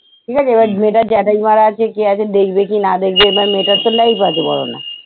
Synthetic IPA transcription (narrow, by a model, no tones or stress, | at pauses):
ʈʰiːkʰat͡ʃʰeebameʈad͡ʒɛʈaimaɾat͡ʃʰekeat͡ʃʰed̪ekʰbekinad̪ekʰbebameʈat̪ːolaipat͡ʃʰebɔ̰ɽo̰na̰